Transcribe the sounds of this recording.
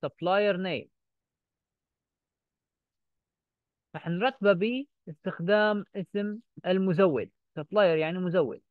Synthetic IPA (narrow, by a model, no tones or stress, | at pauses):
sɑblaːjɑɾˤneːm | ɾˤɑħnɾˤɑt̪ːbabiː | ʔɪst̪ɪxd̪aːmʔɪsmɪlmʊzawːɪ̰d̪̚ | sɑblɑːjɑɾˤjaʕnimʊzawːɪ̰d̪̚